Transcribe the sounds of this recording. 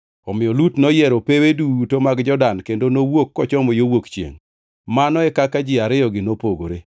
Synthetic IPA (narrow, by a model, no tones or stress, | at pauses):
ɔmɪɔlutnɔjɛɾopewedutomaɡd͡ʒɔdankendonowokːɔt͡ʃɔmɔjowokt͡ʃjḛŋ | manɔɛkakad͡ʒɪaɾɪjɔɡɪnopoɡoɾe